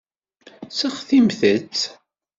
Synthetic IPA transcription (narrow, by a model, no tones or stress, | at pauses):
səχθimθət͡sː